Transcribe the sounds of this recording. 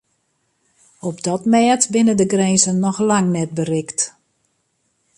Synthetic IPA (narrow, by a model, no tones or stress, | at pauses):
ɔpdɔtmɛːtbɪnədəɡrɛnzənːɔxlaŋnɛt̚bərɪkt